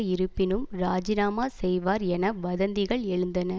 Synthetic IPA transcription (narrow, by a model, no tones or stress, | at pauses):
ɪɾɯpːɪnɯmɾaːd͡ʒɪnaːmaːsɛjʋaːɾɛnɐʋɐðɐnd̪ɪɣɐɭɛɻɯnd̪ɐnɐ